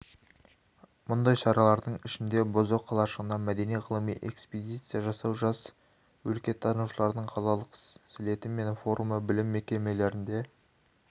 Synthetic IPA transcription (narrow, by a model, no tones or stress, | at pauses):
mʊnd̪ɑjʃɑɾɑlˠɑɾd̪əɴɪʃɪnd̪e̞bozoqʰːɑlˠɑʃəʁənd̪ɑmæd̪e̞nijʁəlˠəmḭjʔe̞̰ksped̪ijt̪sɨjaʒɑsɑwʒɑs | wɵlkʲe̞t̪ʰːɑnuwʃəlˠɑɾd̪əɴqʰɑlˠɑlˠəqsɪle̞t̪ɪme̞nfo̞ɾʔuməbɪlɪmːe̞kʲe̞me̞le̞ɾɪnd̪e̞